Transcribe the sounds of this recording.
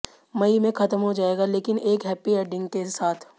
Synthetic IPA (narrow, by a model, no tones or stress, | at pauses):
mɐimẽkʰɐt̪əmɦod͡ʒaːeːɡaleːkɪnʔeːkɦɛːpiɛːɖɪ̃ŋɡkesaːt̪ʰ